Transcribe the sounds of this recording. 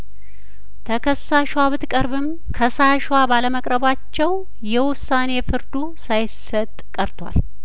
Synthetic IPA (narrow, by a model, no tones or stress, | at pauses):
t̪ʰəkʰəsːaʃwaβɨt̪kʼəɾβɨm | kʰəsaʃwabaləməkʼɾəβat͡ʃːɛw | jɛwʊsːane̞fɨɾd̪u | sajɪsət̪ʼkʼəɾt̪ʰʼwa̰l